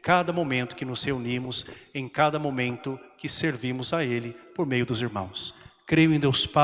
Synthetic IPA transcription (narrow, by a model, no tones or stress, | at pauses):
kad̪ɐmomẽnt̪ʊ̥kɪnʊz̥heunimʊzẽj̃kad̪ɐmomẽnt̪ʊkɪseɾvimʊzaelɪpoɾmejʊd̪ʊziɾmɐ̰̃w̃skɾejʊẽd̪ewspa